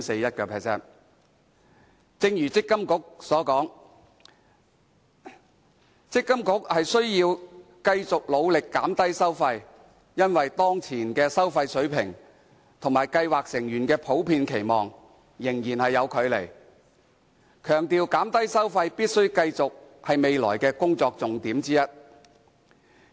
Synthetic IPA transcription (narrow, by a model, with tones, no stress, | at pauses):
se˧jɐ˥t̚kɛː˧pʰɛː˨˩sɛ̰ː˥n | t͡sɪ˧ŋjyː˨˩t͡sɪ˥kːɐ˥mkʊ˨˥k̚sɔː˨˥kɔː˨˥ŋ | t͡sɪ˥kːɐ˥mkʊ˨˥k̚hɐ˨jsɵ˥ɥjiː˧w | kɐ˧jt͡sʊ˨k̚lo˨˧wlɪ˨kːaː˨˥mt̪ɐ˥jsɐ˥wfɐ˧j | jɐ˥nwɐ˨jt̪ɔː˥ŋt͡sʰiː˨˩nkɛː˧sɐ˥wfɐ˧jsɵ˨˥ɥpʰɪ˨˩ŋ | t̪ʰʊ˨˩ŋmaː˨˩jkɐ˧jwaː˨k̚sɪ˨˩ŋjyː˨˩nkɛː˧pʰo˨˥wpʰiː˧nkʰe˨˩jmɔː˨ŋ | jɪ˨˩ŋjiː˨˩nhɐ˨jːɐ˨˧wkʰɵ˨˧ɥle˨˩j | kʰœː˨˩ŋt̪iː˨wkaː˨˥mt̪ɐ˥jsɐ˥wfɐ˧jpiː˥t̚sɵ˥ɥkɐ˧jt͡sʊ˨k̚hɐ˨jme˨˧jlɔː˨˩jkɛː˧kʊ˥ŋt͡sɔː˧k̚t͡sʊ˨ŋt̪iː˨˥mt͡siː˥jɐ˥t̚